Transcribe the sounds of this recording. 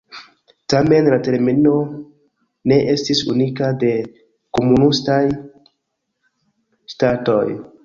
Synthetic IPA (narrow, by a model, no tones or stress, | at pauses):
tame̞nlate̞ɾmino̞ | ne̞ʔe̞stisunikade̞ | ko̞munustaj | stato̞̰j